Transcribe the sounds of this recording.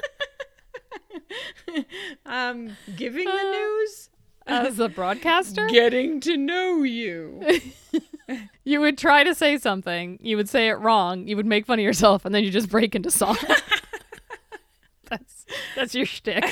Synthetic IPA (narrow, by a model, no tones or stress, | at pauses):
ʔʌ̃mɡɪvɪ̃ŋðɨnʉz̥ | ɨzəbɹɔd̚kʰæstə˞ɡɛɾɪ̃ŋtʰɨnoʊjʉ | jɨwɨd̚tʰɹ̥aɪɾɨseɪsʌ̃mθɪ̃ŋjɨwɨd̥seɪɪʔɹɔ̃ŋjɨwɨd̚meɪkfʌɾ̃ijə˞sɛlˠfə̃nðɨ̃njɨd͡ʒʌsb̥ɹeɪkɪ̃ntʉsɔ̃ŋ | ðætsðætsjə˞stɪk